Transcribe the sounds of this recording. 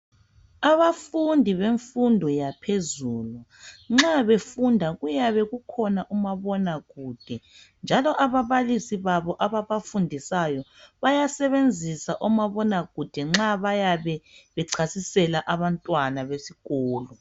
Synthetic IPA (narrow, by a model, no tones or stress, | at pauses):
aβafundʱiβeɱfundʱɔjapʰezuːluŋ͡ǁaβefundʱaɣujaβɛɣukʰɔnaʔumaβɔnaɣuːd̥ʱɛ | nd͡ʒʱalɔʔaβaβalisiβaβɔʔaβaβafundʱisajɔβajasɛβend͡zʱisaʔumaβɔnaɣud̥ʱɛŋ͡ǁaβajaβɛβɛǀʰasisɛlaʔaβantʼwanaβesiɣɔːlɔ